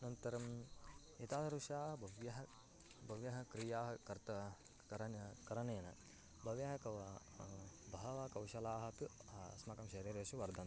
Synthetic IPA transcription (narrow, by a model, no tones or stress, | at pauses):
nɐnt̪ɐɾɐm | it̪aːd̪ɐɾuʃaːɦɐbʱɐʋjɐɦɐ | bʱɐʋjɐɦɐkɾijaːɦɐkɐɾt̪ɐ | ɐɾɐnkɐɾɐneːnɐ̰ | bʱɐʋjɐɦɐkɐʋɐ | bʱɐɦɐʋɐkɐwʃɐlaːɦɐpismɐkɐmʃɐɾiːɾjɐʃuʋɐɾd̪ʱɐn